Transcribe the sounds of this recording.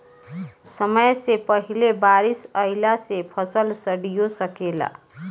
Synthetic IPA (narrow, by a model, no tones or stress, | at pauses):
səməjsepəɦilebaɾisəɪlasepʰəsəlsəɽijosəkela̰